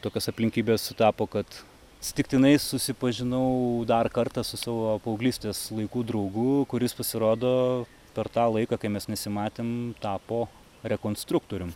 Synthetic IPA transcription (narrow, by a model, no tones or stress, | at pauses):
t̪oːkʲoːsɐpʲlʲɪŋʲkʲiːbʲeːssʊt̪ɑːpoːkɐt̪ | sʲt̪ʲɪkt̪ʲɪnɐɪsʊsʲɪpɐʒʲɪnɐʊd̪ɐrkɐrt̪ɑsʊsɑːʋoːɐpɐʊɡlʲiːsʲt̪ʲeːslˠɐɪkuːd̪ɾɐʊɡʊkʊɾʲɪspɐsʲɪɾoːd̪oː | pʲɛɾt̪ɑːlˠɐɪkɐːkɐɪmʲɛsnʲɛsʲɪmɑːt̪ʲeːmt̪ɑːpoː | ɾʲɛkoːnst̪ɾʊkt̪oːɾʲʊm